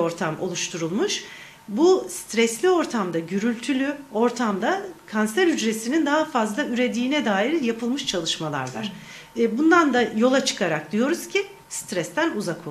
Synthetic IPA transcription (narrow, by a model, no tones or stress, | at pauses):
o̞ɾt̪ʰamʔo̞̰lˠuʃt̪ʰuɾulˠmuʃ | bust̪ɾɛslʲio̞ɾt̪ʰamd̪aɟyɾylʲt̪ʰylʲyo̞ɾt̪ʰamd̪akʰansæɾyd͡ʒɾe̞sinind̪aɦafazlˠayɾe̞d̪iːnɛd̪aːiɾjapʰɯlˠmɯʃt͡ʃʰalˠɯʃmalˠa̰ɾva̰ɾ̥ | bund̪and̪ajo̞lˠat͡ʃʰɯ̥kʰaɾak̚d̪ijo̞ɾuzcʰi | st̪ɾɛst̪ʰænuzakʰo